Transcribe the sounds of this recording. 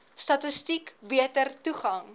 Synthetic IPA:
stɐtəstikbiətərtuχɐŋ

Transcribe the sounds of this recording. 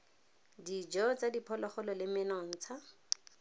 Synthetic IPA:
did͡ʒɔt͡sadipʰɔlɔχɔlɔlɪmɪnɔn̩t͡sʰa

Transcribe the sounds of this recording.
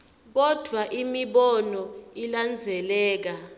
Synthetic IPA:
k̬ɔd̥ʱwaʔimiɓɔnɔiland͡zʱɛlɛːk̬a

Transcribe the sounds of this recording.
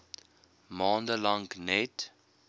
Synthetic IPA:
mɑːndəlɐŋknɛt

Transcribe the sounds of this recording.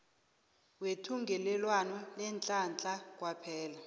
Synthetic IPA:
wetʰuŋɡʱɛlɛlwanɔlɛnt͡ɬʼant͡ɬʼak̬ʼwapʰɛːla

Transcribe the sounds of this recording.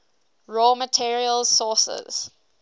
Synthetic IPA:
ɹɔːmətʰiɹiəlˠsɔˑsə̰z̥

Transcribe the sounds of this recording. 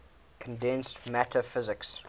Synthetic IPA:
kʰə̃ndɛ̃nstmætʰəfɪzɪks

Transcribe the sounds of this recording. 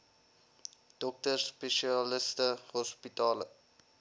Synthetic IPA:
d̥ɔk̚tərspeʃiɑləstəɦɔspitɑːlə

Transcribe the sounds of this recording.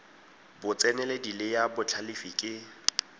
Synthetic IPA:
bʊt͡sʼɛnɛledilɪjabʊt͡ɬʰalifikʼɪ

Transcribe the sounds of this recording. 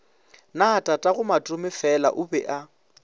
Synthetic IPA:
naːtʼatʼaɣʊmatʼʊmɪfɛla̰ʔʊbɛʔa

